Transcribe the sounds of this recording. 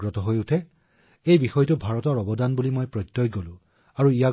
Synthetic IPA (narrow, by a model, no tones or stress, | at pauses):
ɹɔtɔɦojutʰɛ | ejbixɔjtʊbʱaɹɔtɔɹɔbɔdanbulimojpɹɔjtːɔjɡolʊ̃ | aɹuija